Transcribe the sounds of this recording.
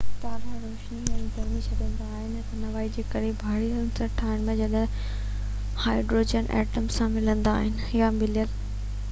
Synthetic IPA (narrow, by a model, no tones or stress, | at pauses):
t̪aːɾaɾoːʃniɛ̃ːɡɐɾmit͡ɕʰɐɗə̃nd̪aːɦɪnɪt̪ɐnɐʋaːid͡ʑeːkɐɾibʱaːɽiɾɐnsɐʈʰaːɦɪnɪmɐ̃d͡ʑɐɗə | haːɪɖɾoːd͡ʑənʔɛ̰ːʈəmssːãmɪlə̃nd̪aːɦɪnɪ̆jamɪljəl